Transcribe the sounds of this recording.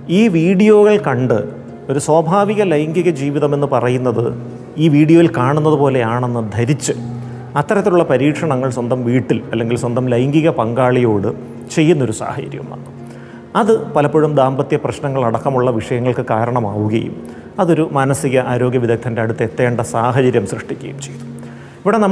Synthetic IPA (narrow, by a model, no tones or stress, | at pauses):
iːʋiːɽijo̞ːɣɐɭkɐɳɖɨ | o̞ɾuswaːbʱaːʋiɣɐlɐjŋɡiɣɐd͡ʑiːʋiðɐme̞nːɨpɐrɐjunːɐðɨ̰ | iːʋiːɽijo̞ːʋilkaːɳunːɐðupo̞ːle̞jaːɳe̞nːɨd̪ʱɐɾit͡ɕːɨ | ɐt̪ːɐɾɐt̪ːiluɭːɐpɐɾiːkʂɐɳɐŋːɐɭswɐnd̪ɐmʋiːʈːilɐ̰lːe̞ŋɡilswɐnd̪ɐmlɐjŋɡiɣɐpɐŋɡaːɭijo̞ːɽɨ | t͡ɕe̞jːunːo̞ɾusa̰ːhɐt͡ɕɐ̰ɾjɐ̰mʋɐ̰nːu | ɐðɨpɐlɐpːoɻumd̪aːmbɐt̪jɐprɐɕnɐŋːɐɭɐɽɐkːɐmuɭːɐʋiʂɐjɐŋːɐɭkɨkaːɾɐɳɐmaːʋuɣɐ̰jṵm | ɐðo̞ɾumɐnɐsiɣɐʔaːɾo̞ːɡjɐʋid̪ʱɐk̚t̪ʰːɐnde̞ɐɽut̪ːet̪ːe̞ːɳɖɐsaːɦɐd͡ʑɐɾjɐmsrɨʂʈikʲːɐ̰jumt͡ɕe̞jt̪u̥ | iʋiɽenɐmː